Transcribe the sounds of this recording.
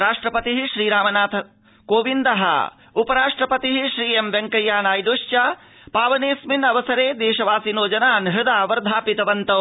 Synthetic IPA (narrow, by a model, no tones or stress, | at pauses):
ɾaːʂʈɾɐpɐt̪iɦiʃɾiːɾaːmɐnaːt̪ʰɐ | koːʋind̪ɐɦɐ̰ | upɐɾaːʂʈɾɐpɐt̪iɦiʃɾiːemʋeŋkɐjːaːnaːjd̪oʃt͡ʃɐ | paːʋɐneːsminɐʋɐsɐɾeːd̪eːʃɐʋaːsinoːd͡ʒɐnaːnɦɪd̪aːʋɐɾd̪ʱaːpit̪ɐʋɐnt̪ɐw